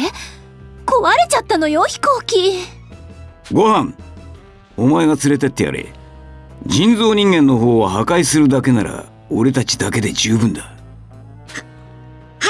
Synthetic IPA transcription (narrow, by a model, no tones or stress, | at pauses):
e | ko̞βaɾet͡ɕat̪ːano̞joçi̥ko̞ːkʲi | ɡo̞hãŋ | o̞mae̞ɡat͡sɨɾe̞t̪e̞t̪ːe̞ja̰ɾḛ | d͡ʑĩnd͡zo̞ːɲ̟ĩŋɡẽ̞nːo̞ɦo̞ːβaɦakaisɨɾɯ̟d̪ake̞naɾa̰ | o̞ɾe̞t̪at͡ɕi̥d̪ake̞d̪e̞d͡ʑɨːbɯ̟̃nd̪a